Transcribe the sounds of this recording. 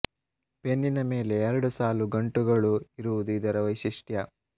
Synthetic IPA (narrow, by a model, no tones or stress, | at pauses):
pe̞nːinɐme̞ːle̞ːɾɐɽusaːluɡɐɳʈuɡɐɭuiɾuʋud̪uid̪ɐɾɐʋɐjʃiʂʈjɐ